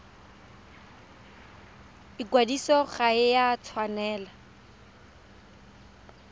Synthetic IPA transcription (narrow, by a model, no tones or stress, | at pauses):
ikwadisɔɣaɪjat͡sʰwanɛːla